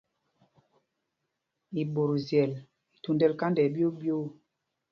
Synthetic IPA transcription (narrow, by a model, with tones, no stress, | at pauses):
i˨ɓo˨ɾzjɛ˨l | i˨tu˨ndɛ˦lka˦ndɛ˨˦bo˦bjo˦